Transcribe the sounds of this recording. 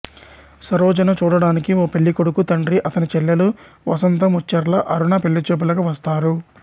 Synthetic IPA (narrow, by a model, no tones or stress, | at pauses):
sɐɾɔːd͡ʒɐnɐt͡ʃuːɽɐɽaːnikioːpe̞ɭːikoɽukut̪ɐɳɖɾiʔɐt̪ɐnit͡ʃɛlːɐlu | ʋɐ̰sɐnt̪ɐmut͡ʃːɐɾlɐʔɐɾuɳɐpe̞ɭːit͡ʃep̬ulɐkuʋɐst̪aːɾu